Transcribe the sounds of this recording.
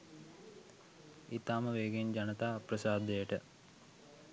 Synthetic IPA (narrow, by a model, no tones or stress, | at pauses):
it̪aːməʋeːɡend͡ʒɐnət̪aːprɐsaːd̪ejəʈə